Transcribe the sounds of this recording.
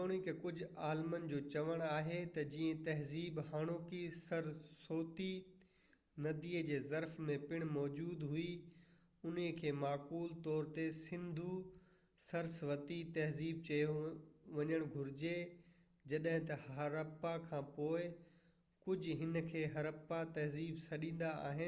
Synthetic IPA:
oːɽ̃ikʰekʊd͡ʑʱʊaːlmənɪ̆d͡ʑoːt͡ɕɐʋəɽ̃aːɦet̪ɐd͡ʑiːə̃t̪ɐɦziːbhaːɽ̃oːkisɐɾsoːt̪i | nɐd̪iːəd͡ʑeːzɐɾfmẽpɪɽ̃mɔːd͡ʑuːd̪ɦui | ʊniəkʰeːmaːkuːlt̪ɔːɾt̪esɪ̃nd̪ʱu | sɐɾsʋɐt̪it̪ɐɦziːb̚t͡ɕɐjo | ʋɐɲəɽ̃ɡʱʊɾɪd͡ʑe | d͡ʑɐɗɦɪ̃t̪ɐhɐɾɐpːakʰãːpoːɪ | kʊd͡ʑʱʊɦɪnkʰeːɦɐɾəpːat̪ɐɦziːbsɐɗĩːn̆d̪aa̰ːɦɪn

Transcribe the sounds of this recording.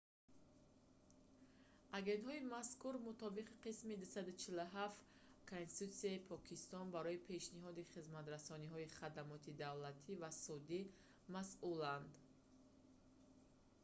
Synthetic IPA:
ʔaɡe̞nt̪hɔimaskuɾmut̪ʰɔbiqiqismid̪usad̪ut͡ʃʰiluɦaft̪ | kʰonsit̪ut̪siaipʰɔkʰist̪ɔnbaɾɔipʰe̞ʃniɦɔd̪iχizmat̪ɾasɔniɦɔiχad̪amɔt̪ʰid̪avlat̪ʰivasud̪i | masuland̪

